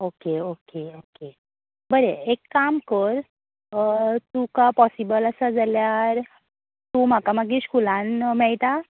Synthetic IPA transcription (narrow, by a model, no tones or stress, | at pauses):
okeokeoke | bəɾeekːamkəɾ | t̪ukapɔsibələsad͡zaljaɾ | t̪um̤akamaɡiɕkulãnmɛɭt̪a